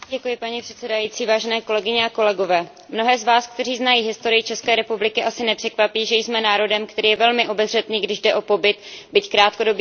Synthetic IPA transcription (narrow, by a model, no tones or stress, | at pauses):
ɟɛkujɪpaɲipr̥ɛt̪sɛdajiːtt͡siːvaːʒɛnɛːko̞lɛɡɪɲɛako̞lɛɡo̞vɛː | mno̞ɦɛːzvaːsk̚t̪ɛr̝iːznajiːɦɪst̪o̞ɾɪjɪt͡ʃɛskɛːɾɛpublɪkɪʔasɪnɛpr̝̥ɛkvapiːʒɛjsmɛnaːɾo̞dɛmkt̪ɛɾiːjɛvɛlmɪʔo̞bɛzr̝ɛt̪niːɡdɪʒdɛʔo̞po̞bɪt̪bɪckɾaːt̪ko̞do̞b